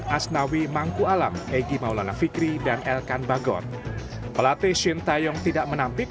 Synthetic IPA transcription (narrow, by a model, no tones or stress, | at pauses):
ʔasnawimaŋkualameɡimaulanafikɾidanʔɛlkanbaɡɔ̰t̪̚ | pəlat̪eʃint̪ajɔŋt̪idaʔmənampɪk